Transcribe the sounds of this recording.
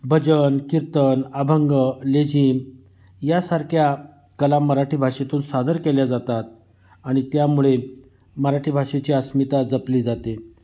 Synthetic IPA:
bʱəd͡ʑənkiɾt̪ənabʱəŋɡəled͡ʑim | jasaɾkʰja | kəlaməɾaʈʰiːbʱaʂet̪uːnsad̪əɾkɛljad͡zat̪at̪̚ | aɽ̃it̪jamuɭe | məɾaʈʰiːbʱaʂet͡ɕiːəsmit̪ad͡zəpliːd͡zat̪e

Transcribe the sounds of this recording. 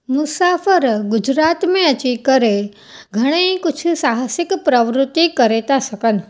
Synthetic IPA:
mʊsafəɾɡʊd͡ʒɾat̪mẽət͡ʃikəɾe | ɡʱəɽ̃əjkʊt͡ʃʰusaɦəsɪkpɾəʋɾʊt̪ːikəɾet̪aʃəkən

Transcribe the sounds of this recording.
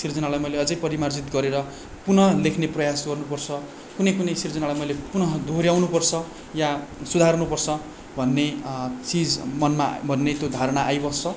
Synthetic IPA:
sird͡zʌnalajmʌjleʌd͡zʌjpʌɾimard͡zit̪ɡʌɾeɾʌ | punʌlekʰneprʌjasɡʌrnupʌrt͡sʰʌ | kunʌjkunʌjsird͡zʌnalajmʌjlepunʌɦd̪ʱoɾjawnupʌrt͡sʰʌ | jasud̪ʱarnupʌrt͡sʰʌ | bʱʌnːet͡sid͡zmʌnmabʱʌnːet̪jod̪ʱaɾʌɽ̃aʔajbʌst͡sʰʌ

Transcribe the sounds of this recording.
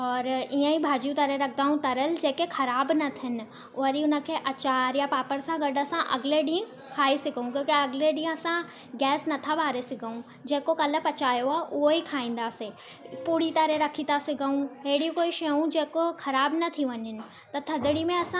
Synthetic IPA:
ɔːɾiːə̃ĩbʱaːd͡ʑũt̪ɐɾeɾɐk̚ʰd̪aːɦũt̪ɐɾəld͡ʑeːkexɐɾaːbnɐt̪ʰɪnɪ̆ | ʊɦəɾiʊnə̆kʰeːʔɐt͡ɕaːɾjapaːpəɾsãɡɐɖəsãʔɐ̰ɡɪleɗĩːə̃ | kʰaːisɪɡʱəũkjõːkeɐɡɪleɗĩːɦə̃ɐsã | ɡɛːsnɐt̪ʰaʋaːɾesɪɡʱəũ | d͡ʑeːkokɐlə̆pɐt͡ɕaːjoaːʔʊɦoikʰaːĩːn̆d̪aːse | puːɽit̪ɐɾeɾɐkʰĩt̪asɪɡʱəũɦeːɽĩkoːiʃɐũd͡ʑeːkoxʰɐɾaːbnɐt̪ʰiʋɐɲɪnɪ̆ | t̪ɐt̪ʰɐd̪ɪɽimẽɐsã

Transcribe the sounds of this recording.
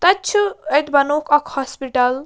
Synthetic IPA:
t̪ɐt͡ʃʰuet̪bɐnokɐkhɔspiʈɐl

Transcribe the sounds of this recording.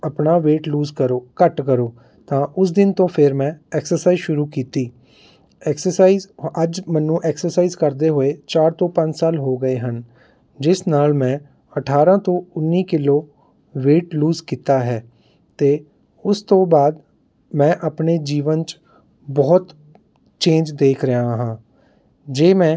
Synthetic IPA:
əpnaːʋeːʈluːzkəɾoːkəʈkəɾoː | t̪ãːʔʊs̬d̪ɪnt̪õːpʰɪɾmɛ̃ːɛːksəɾsaːizʃʊɾuːkiːt̪iː | ɛːksəɾsaːiːzəd͡ʒmɛnːũːʔɛːksəɾsaːiːzkəɾd̪eːɦoeːt͡ʃaːɾt̪õːpə̃ɲd͡ʒsaːlɦoːɡəeːɦən | d͡ʒɪsnaːlmɛ̃ː | əʈʰaːɾãːt̪õːʊnːiːkɪloː | ʋeːʈluːzkiːt̪aːɦɛː | t̪eː | ʊst̪õːbaːd̪ | mɛ̃ːʔəpneːd͡ʒiːʋənt͡ʃ | bɔːt̪ | t͡ʃẽːnd͡ʒd̪eːkʰɾɪaːɦãː | d͡ʒeːmɛ̃ː

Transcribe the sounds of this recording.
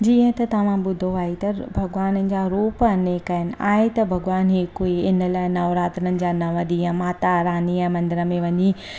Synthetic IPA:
d͡ʑiːə̃t̪ɐt̪ɐʋ̤ãbʊd̪ʱoaːɦet̪ɐbʱɐɡʋaːnənɪ̆d͡ʑaːɾuːpəɐneːkɐɦɪnɪ̆a̰ːɦet̪ɐbʱɐɡʋaːnɦekoiɪnəlaːɪnɐʋɾaːt̪ənənɪ̆d͡ʑaːnɐʋəd̪ijãmaːt̪aɾaːniãmɐ̃nd̪ɪɾəmẽʋɐ̃ɲi

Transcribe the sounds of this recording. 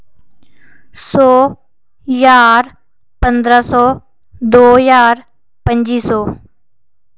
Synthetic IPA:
sɔː | jaːɾ | pənd̪ɾaːsɔː | d̪oːjaːɾ | pəɲd͡ʒiːsɔː

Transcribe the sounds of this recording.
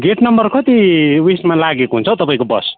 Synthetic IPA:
ɡeʈnʌmbʌrkʰʌt̪iwismalaɡekoɦunt͡sʰot̪ʌpaĩkobʌ̰s

